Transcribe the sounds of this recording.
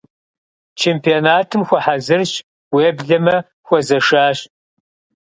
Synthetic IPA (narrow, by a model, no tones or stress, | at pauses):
t͡ʃʰeːmpʰionaːtʰɨmxʷɔħazɨrɕ | weːbɮɐmɐ | xʷɔzɐʂaːɕ